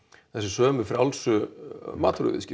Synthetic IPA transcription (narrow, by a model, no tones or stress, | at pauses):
θɛsɪsœːmɪfɾawlsʏmaːt̪ʰɾʏ̰vɪ̰ðscɪ